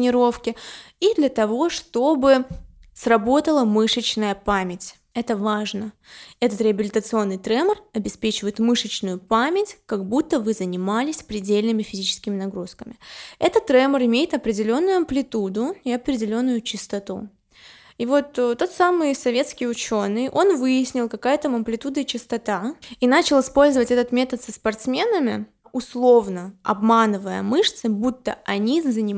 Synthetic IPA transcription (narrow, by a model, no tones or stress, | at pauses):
nʲɪɾo̞fkʲɪ | id̪lʲɐt̪ɐvo̞ʂt̪o̞bɨsrɐbo̞t̪əlˠəmɨʂət͡ɕnəjəpamʲɪtʲ | ɛt̪əvaʐnə | ɛt̪ət̪ɾʲɪəbʲɪlʲɪt̪ət̪sɨo̞nːɨjt̪ɾɛmərɐbʲɪspʲet͡ɕɪvəjɪt̪mɨʂət͡ɕnʊjʊpamʲɪtʲkɐɡbut̪ːəvɨzənʲɪmalʲɪsʲpɾʲɪdʲelʲnɨmʲɪfʲɪzʲit͡ɕɪ̥skʲɪmʲɪnɐɡɾuskəmʲɪɛt̪ət̪̚ːɾɛmərɨmʲejɪt̪ɐpɾʲɪdʲɪlʲo̞nːʊjʊɐmplʲɪt̪ud̪ʊɪɐpɾʲɪdʲɪlʲo̞nːʊjʊt͡ɕɪst̪ɐt̪ṵ | ivo̞t̪ːo̞t̪samɨjsɐvʲe̞t̪skʲɪjʊt͡ɕo̞nːɨjʔo̞nvɨjɪsʲnʲɪlˠkɐkajət̪əmɐmplʲɪt̪ud̪ɨt͡ɕɪst̪ɐt̪ainat͡ɕɪlˠɨspo̞lʲzəvətʲɛt̪ət̪mʲet̪ət̪səspɐrt̪smʲe̞nəmʲɪ | ʊslˠo̞vnəɐ̰bmanɨvəjə̰mɨʂt̪sɨbut̪ːə̰ʔɐnʲizənʲɪ